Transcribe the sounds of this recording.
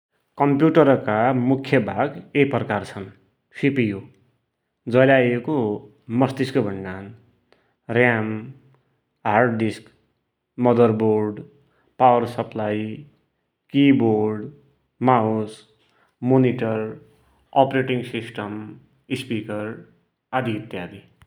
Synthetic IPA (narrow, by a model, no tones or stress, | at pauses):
kʌmpjuʈʌɾkamukʰjʌbʱaɡejpʌkart͡sʰʌn | sipijo | d͡zʌjlajeko | mʌst̪iskobʱʌɳɖan | rjam | ɦarɖɖisk | mʌd̪ʌrborɖ | pawʌrsʌplaj | kiborɖ | maus | moniʈʌr | ʌpreʈiŋɡsisʈʌm | ispikʌr | ad̪ʱiit̪jad̪ʱi